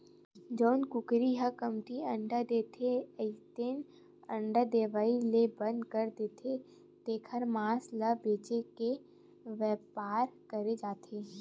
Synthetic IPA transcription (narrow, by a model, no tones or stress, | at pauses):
d͡ʒɔːnkʊkɾiɦəkəmʈiə̃ɳɖad̪eːt̪ʰeəɪt̪eːn | ə̃ɳɖad̪eːʋaːilebə̃nd̪kəɾd̪eːt̪ʰe | t̪eːkʰəɾmaːsləbeːt͡ʃeke | ʋɛːpaːɾkɐɾed͡ʒaːt̪ʰeː